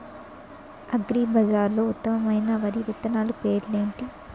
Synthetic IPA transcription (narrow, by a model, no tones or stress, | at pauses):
ɐɡɾiːbʱɐd͡ʒaːɾloːut̪ːɐmɐmɐjnɐʋɐɾiʋit̪ːɐnaːlupe̞ːɾle̞ːɳʈi